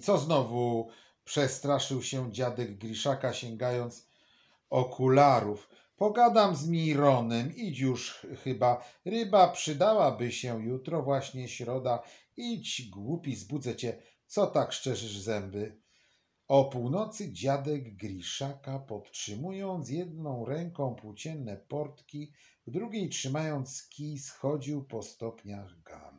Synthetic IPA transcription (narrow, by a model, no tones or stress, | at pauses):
t̪sɔznɔvu | pʂɛst̪ɾaʂɘwɕɛd͡ʑad̪ɛɡɡɾʲiʂakaɕɛŋɡajɔnt̪s | ɔkʰulaɾuf | pɔɡad̪amzmʲiɾɔnɛmit͡ɕjuʂxɘbaɾɘbapʂɘd̪awabɘɕɛjut̪ɾɔvwaɕɲɛɕɾɔd̪a | it͡ɕɡwupʲizbud̪zɛt͡ɕɛ | t̪sɔt̪akʂt͡ʂɛʐɘʐzɛmbɘ | ɔpuwnɔt̪sɘd͡ʑad̪ɛɡːɾʲiʂakapɔt̪tʂɘmujɔnt̪sjɛd̪nɔ̃w̃ɾɛŋkɔ̃w̃pwut͡ɕɛnːɛpɔɾt̪kʲi | vd̪ɾuɡʲejtʂɘmajɔnt̪skʲisxɔd͡ʑiwpɔst̪ɔpɲaɣɡa̰ɾ